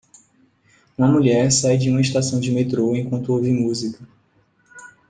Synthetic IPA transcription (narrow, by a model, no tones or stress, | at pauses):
ũɐmuʎɛɾsajd͡ʒɪũmɐiʃt̪asɐ̃w̃d͡ʒɪmet̪ɾoẽkwɐ̃nt̪ʊowvimuzikɐ